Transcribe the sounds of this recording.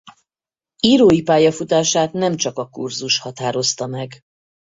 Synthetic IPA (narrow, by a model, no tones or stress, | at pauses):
iːɾoːjipaːjɒfut̪aːʃaːt̪nɛmt͡ʃɒkɒkurzuʃhɒt̪aːɾo̞st̪ɒmɛɡ